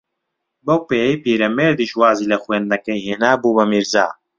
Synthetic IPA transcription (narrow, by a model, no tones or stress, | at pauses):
bɐw̚peːjijpiːɾɐmeːɾd̪iʃwaːziːlɐxweːnd̪nɐkɐjheːnaːbuːbɐmiɾza̰ː